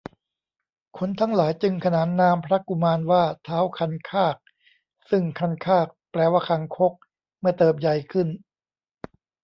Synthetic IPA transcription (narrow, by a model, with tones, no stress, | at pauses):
kʰo˧˥nt̪ʰa˦˥ŋlaː˩˦jt͡ɕɯ˧ŋkʰa˧naː˩˦nːaː˧mpʰɾa˦˥ku˧maː˧nwaː˥˩t̪ʰaː˦˥wkʰa˧nkʰaː˥˩k̚ | sɯ˥˩ŋkʰa˧nkʰaː˥˩k̚plɛː˧waː˥˩kʰa˧ŋkʰo˦˥k̚ | mɯ˥˩ɐt̪ɤː˨˩p̬̚ja˧jkʰɯ˥˩n